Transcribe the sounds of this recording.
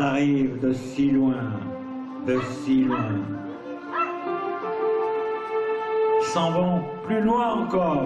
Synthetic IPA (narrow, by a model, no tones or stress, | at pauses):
aʁivd̪əsilwɛ̃ | d̪əsilwɛ̃ | sɑ̃vɑ̃plylwãɑ̃kɔ